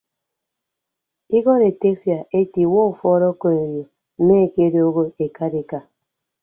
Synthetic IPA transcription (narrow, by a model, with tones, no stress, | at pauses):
i˦ɡɔ˦ɾe˨te˦fja˨ʔe˦ti˨wɔ˦u˨fɔ˦ɾɔ˦ko˨ne˨jo˨˦ | me˦˨ke˦ɾe˦o˦ɡo˦e˨ka˦di˦ka˦